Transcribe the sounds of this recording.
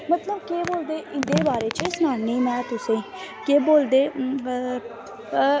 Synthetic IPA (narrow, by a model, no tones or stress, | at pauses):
mət̪ləbkeːboːld̪eːʔɪnd̪eːbaːɾeːt͡ʃəsʊnaːniːmɛ̃ːt̪ʊsẽː | keːboːld̪eː